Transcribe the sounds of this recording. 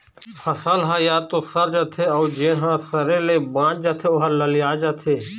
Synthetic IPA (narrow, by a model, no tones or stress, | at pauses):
xəsaːlɦaːjaːt̪oːsəɾd͡ʒət̪ʰeːoːd͡ʒẽːɦãːsəɾẽːleːbãːt͡ʃd͡ʒət̪ʰeːʊɦaləlɪjaːd͡ʒat̪ʰeː